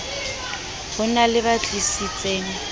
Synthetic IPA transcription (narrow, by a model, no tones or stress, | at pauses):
hʊnalɪβat͡ɬʼisit͡sʼeːŋ̩